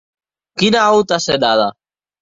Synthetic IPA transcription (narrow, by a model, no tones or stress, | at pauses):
kinaawt̪ased̪aða